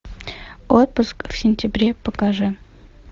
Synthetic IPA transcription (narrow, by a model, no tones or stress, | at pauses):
ot̪̚pʊskfsʲɪnʲtʲɪbɾʲepakɑʐɨ